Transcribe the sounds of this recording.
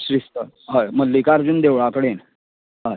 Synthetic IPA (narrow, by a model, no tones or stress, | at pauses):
ɕɾist̪ə | ɦajməllːikaɾd͡ʑund̪eʋɭakəɽen | ɦa